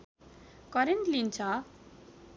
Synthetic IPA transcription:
kʌɾenʈlint͡sʰʌ

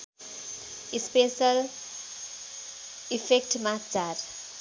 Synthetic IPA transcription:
ispesʌl | ipʰek̚ʈmat͡sar

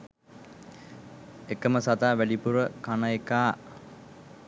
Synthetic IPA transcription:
ekəməsat̪aːʋæɖipuɾəkanaekaː

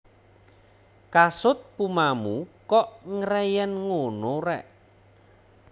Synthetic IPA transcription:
kasʊt̪̚pumamukɔʔŋəɾɛjɛnŋonoɾɛʔ

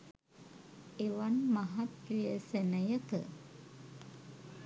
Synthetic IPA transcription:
eʋanmaɦat̪rijəsenəjəkə̰

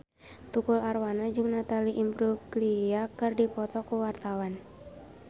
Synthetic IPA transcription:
t̪ukularwanad͡ʒɨŋnat̪aliʔimbɾuɡliakɨrdipɔt̪ɔkuwart̪awan

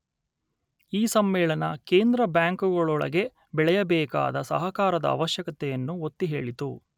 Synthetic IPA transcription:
iːsɐmːɛːɭɐnɐkeːnd̪ɾɐbjaːŋkuɡɐɭɔɭɐ̰ɡe̞ | bɛɭɛjɐbɛːka̰ːd̪ɐsɐɦɐkaːɾɐd̪ɐ̰ɐ̰ːʋɐʃjɐkɐt̪ɛjɐnːuot̪ːiɦeːɭit̪ṵ

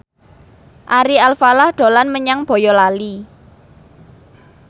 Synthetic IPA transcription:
ʔaɾialfalahɖ̪̥o̤lanməɲaŋb̥o̤jɔlali

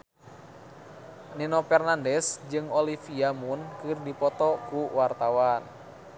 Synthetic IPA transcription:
ninopɛrnandɛsd͡ʒɨŋolifiamunkɨrdipɔt̪ɔkuwart̪awan

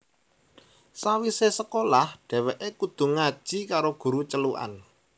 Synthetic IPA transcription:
sawisesəkolahɖ̪̥ɛ̤wɛʔekud̪̥ṳŋad̥ʒ̥i̤kaɾoɡ̥ṳɾut͡ʃəluʔa̰n

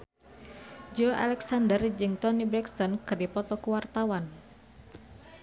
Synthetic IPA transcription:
d͡ʒɔa̰lɛksandərd͡ʒɨŋt̪ɔnibɾɛkst̪ɔnkɨrdipɔt̪ɔkuwart̪awan

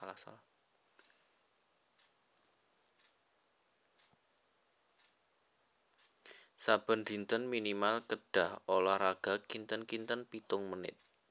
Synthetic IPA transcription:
la̰la | sab̥ə̤nd̪̥i̤nt̪ənminimalkəɖ̥aholahraɡ̥a̤kint̪ənkint̪ənpit̪ʊŋmənɪ̰t̪̚

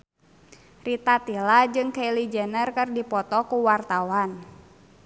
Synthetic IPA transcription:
rit̪at̪ilad͡ʒɨŋkeilid͡ʒənərkɨrdipɔt̪ɔkuwart̪awan

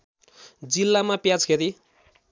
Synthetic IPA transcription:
d͡zilːamapjat͡skʰeɾi

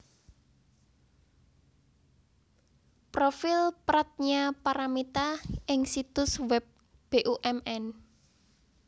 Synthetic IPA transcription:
pɾofɪlpɾat̪̚ɲapaɾamit̪aʔɪŋsit̪ʊswɛp̚ | b̥eʔuʔɛmɛn

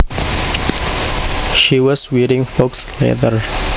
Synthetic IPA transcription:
ʃiwɔzwiɾɪ̃ŋfokslɛ̰ðəɹ

